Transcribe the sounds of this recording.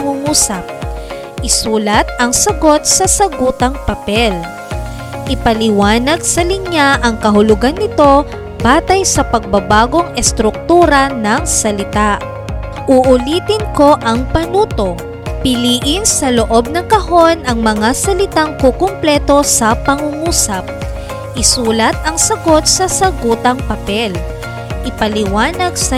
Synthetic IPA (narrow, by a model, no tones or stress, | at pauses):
pɐŋuŋuːsɐp̚ | ʔɪsuːlɐt̪̚ɐŋsɐɡo̞t̪̚sɐsɐɡuːt̪ɐŋpɐpɛl | ʔɪpɐlɪwaːnɐɡ̚sɐlɪŋjaʔɐŋkɐɦʊlʊɡanːɪt̪o̞ | baːt̪ɐjsɐpɐɡ̚bɐbaːɡo̞ŋɛst̪ɾʊk̚t̪uːɾɐnɐŋsɐlɪt̪aʔ | ʔʊʔʊliːt̪ɪnko̞ʔɐŋpɐnuːt̪o̞ | pɪliːʔɪnsɐlo̞ʔo̞b̚nɐŋkɐɦo̞nʔɐŋmɐŋasɐlɪt̪aŋkokʊmplɛːt̪o̞sɐpɐŋuŋuːsɐp̚ | ʔɪsuːlɐt̪̚ɐŋsɐɡo̞t̪̚sɐsɐɡuːt̪ɐŋpɐpɛl | ʔɪpɐlɪwaːnɐɡ̚sɐ